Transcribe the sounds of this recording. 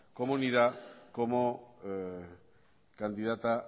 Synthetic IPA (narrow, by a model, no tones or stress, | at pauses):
komuniðakomo | kand̪iðat̪a